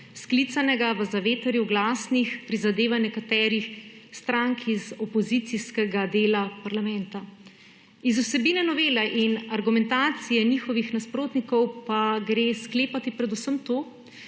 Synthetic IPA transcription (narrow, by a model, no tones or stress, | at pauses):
sklit̪sanɛɡaʋəzaʋeːt̪əɾjuɡlaːsnixpɾizad̪eːʋanɛkat̪ɛːɾixst̪ɾaŋkizɔpɔzit̪siskɛɡad̪eːlapaɾlamɛnt̪a | izusɛbiːnɛnɔʋeːlɛʔinaɾɡumɛnt̪aːt̪sijɛnixɔʋixnaspɾoːt̪nikɔwpaɡɾeːskleːpat̪ipɾɛd̪usəmt̪oː